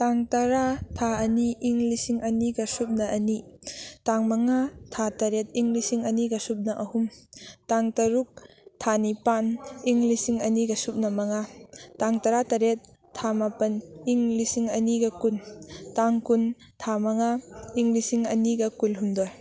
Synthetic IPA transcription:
taŋtɐɾatʰaɐniːŋlisiŋʔɐniɡɐsup̚nɐʔɐnitaŋmɐŋatʰatɐɾet̚iŋlisiŋɐniɡɐsup̚nɐʔɐhumtaŋtɐɾuk̚ | tʰanipaniŋlisiŋɐniɡɐsup̚nɐmɐŋataŋtɐɾatɐɾet̚ʰː | amapɐniŋlisiŋɐniɡɐkuntaŋkun | tʰamɐŋaiŋlisiŋɐniɡɐkulɦumdoj

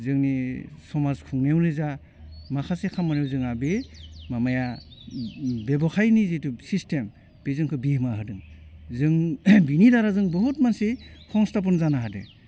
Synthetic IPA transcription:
zɯŋnisɔmazkʰuŋnewnɯza | makʰasekʰamːɔnewzɯŋabemamaja | bebɔkʰajnizitusistʰem | b̥ezɯŋkʰɯbihmaɦɯdɯŋzɯŋbinidaɾazɯŋbɔɦut̚mansehʰɔŋstap̬ɔnzanaɦadɯ̰

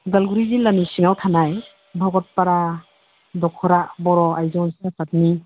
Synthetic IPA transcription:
ɡalɡuɾizilanisiŋawtʰanaj | bʱɔɡɔt̚paɾa | dɔkʰɔɾabɔɾɔajzɔnsapʰat̚ni

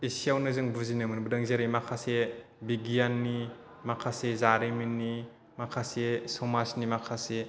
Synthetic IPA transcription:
isijawnɯzɯŋbuzinɯmɯnbɯdaŋzaɾimakʰasebiɡijanːi | makʰasezaɾeminːi | makʰasesɔmasnimakʰase

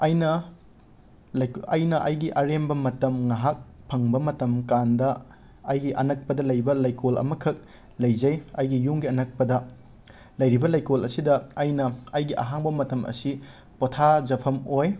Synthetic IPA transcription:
ɐjnɐ | ɐjnɐʔɐjɡiʔɐɾembɐmɐtɐmŋaɦak̚ | pʰɐŋbɐmɐtɐmkandɐ | ɐjɡiʔɐnɐk̚pɐdɐlɐjbɐlajkolɐ̰mɐkʰɐk̚ | lɐjzɐjɐjɡijuŋɡiɐnɐk̚pɐdɐ | lɐjɾibɐlɐjkolɐsidɐːjnɐɐjɡiʔɐ̰ɦaŋbɐmɐtɐmʔɐ̰si | potʰazɐpʰɐmoj

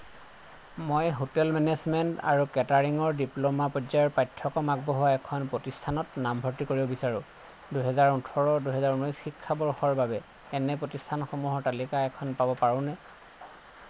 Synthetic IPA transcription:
mojɦotɛlmɛnɛzmɛnta̰ɹukɛtaɹiŋɔɹdiplomapɔzajɔɹpajtʰːɔkɔmaɡ̚bɔɦʊwaɛkʰɔnpɹotistʰanɔtnambʱɔɹtikoɹibɔbisaɹʊ̃ | duɦɛzaɹutʰɔɹɔduɦɛzaɹunɔjsxikʰːabɔɹxɔɹbabɛ | ɛnɛpɹotistʰanxɔmuɦɔɹtalikaɛkʰɔnpabɔpaɹɔ̃nɛ

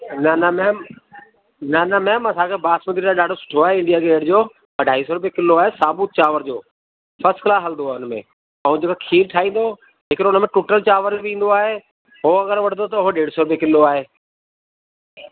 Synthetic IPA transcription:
nɐnəmɛ̃ːm | nɐnɐmɛ̃ːmɐsãːkʰeːbaːsmənd̪iɾaɗaːɖʱosʊ̥ʈʰoaːɦeɪ̃ɳɖijaɡeːɽd͡ʑoː | ɐɖʱaːɦisoːɾʊbekɪlːoaːɦesaːbʊt̪̚t͡ɕaːʋəɾd͡ʑoː | fʰɐsʈkɪlaːsɐld̪oaːɦʊnmḛ̃ | ɐ̃ũd͡ʑeːkakʰiːlʈʰaːĩːn̆d̪o | d͡ʑeːkɾʊnəmẽʈʊːʈəlt͡ɕaːʋəɾbĩːn̆d̪oaːɦeː | ɦoɐɡəɾʋɐɽ̤d̪ot̪ɐʊɦoɗeːɽsoɾʊbekɪlːoaːɦeː

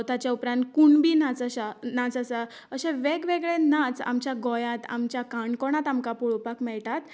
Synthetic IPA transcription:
t̪at͡ɕjaupɾãnt̪̚kuɳbiːnat͡səɕanat͡səsa | əɕẽʋeɡʋeɡɭẽnat͡sa̰mt͡ɕjaɡɔjat̪a̰mt͡ɕjakaɳkɔɽ̃at̪amkapɔɭopakmɛɭʈat̪

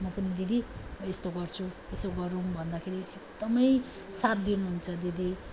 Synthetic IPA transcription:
mʌpʌnid̪id̪ʱimʌest̪oɡʌrt͡sʰu | esoɡʌɾumbʱʌnd̪akʰeɾiekd̪ʌmʌj | sat̪̚d̪inuɦunt͡sʰʌd̪id̪ʱi

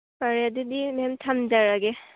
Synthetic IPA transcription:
baɾjadidimemtʰamd͡ʒaɾaɡe

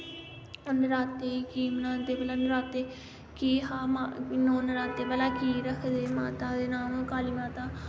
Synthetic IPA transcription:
ənɾaːt̪eːikiːmnaːd̪eːbəlaːnəɾaːt̪eː | kiːɦaːmanoːnəɾaːt̪eːbəlaːkiːɾəkʰd̪eːmaːt̪aːd̪eːnaːmõːkaːliːmaːt̪aː

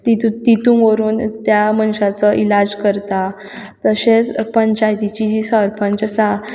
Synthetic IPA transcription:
t̪it̪ut̪it̪ũŋʋəɾuːnt̪jamənɕat͡səʔilad͡zkəɾt̪a | t̪əɕet͡spəɲt͡ɕajt̪it͡ɕid͡ʑisəɾpʰəɲt͡ɕəsa

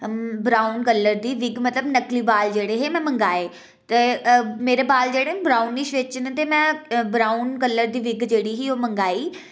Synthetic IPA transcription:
bɾaːunkəlːəɾd̪iːʋɪɡmət̪ləbnəkliːbaːld͡ʒeːɽeːɦeːmɛ̃ːməŋɡaːeː | t̪emeːɾeːbaːld͡ʒeːɽeːbɾaːʊnːiʃʋɪt͡ʃnet̪eːmɛ̃ːbɾaːunkəlːəɾd̪iːʋɪɡd͡ʒeːɽiːɦiːoːməŋɡaːiː

